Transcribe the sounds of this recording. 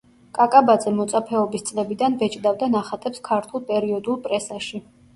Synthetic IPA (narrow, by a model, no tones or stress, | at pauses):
kʼakʼabad̪zʼɛmɔt̪sʼapʰɛɔbist̪sʼlɛbid̪anbɛt͡ʃʼd̪avd̪anaχat̪ʼɛpskʰaɾt̪ʰulˠpʼɛɾiɔd̪ulˠpʼɾɛsaʃi